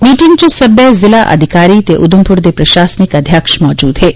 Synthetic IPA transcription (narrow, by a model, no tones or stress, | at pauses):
miːʈiŋɡt͡ʃesəbjəzilaʔɐ̰d̪ʱikaːɾiːt̪eʔud̪umpuɾd̪epɾɐʃaːsnikɐd̪ʱjaːkʃmɔːd͡ʒuːd̪ɦeː